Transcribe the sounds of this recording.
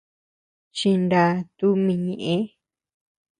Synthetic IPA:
t͡ʃi˧nda˧t̪u˦mĩ˧ɲẽ˨ʔẽ˦

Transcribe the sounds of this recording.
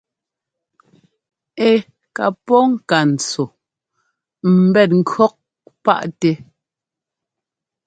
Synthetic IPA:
e˨ | ka̰˨pɔ˦ŋ̩˦˨ka˨n̩˨t͡so˨ | m̩˨bɛ˦˨t̚ŋ̩˦kɰɔ˦k̚ | pa̰˦ʔte˦

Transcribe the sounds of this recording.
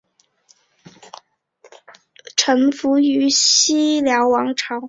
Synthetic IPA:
ʈ͡ʂʰɤ˧˥ŋfu˧˥y˧˥ɕi˥ljɑ˧˥ʊwɑ˧˥ŋʈ͡ʂʰɑ˧˥ʊ

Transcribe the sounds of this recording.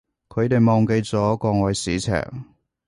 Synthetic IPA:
kʰɵ˨˧ɥt̪e˨jmɔː˨ŋke˧jt͡sɔː˨˥kɔː˧ŋɔː˨jsiː˨˥t͡sʰɛ̰ː˨˩ŋ̚

